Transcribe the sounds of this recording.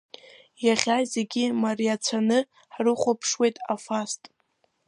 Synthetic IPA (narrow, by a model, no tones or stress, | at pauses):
jaχʲajze̞ɡʲimariat͡sʷʰanɨ | ħrɨχʷapʰʂwejtʼafastʼ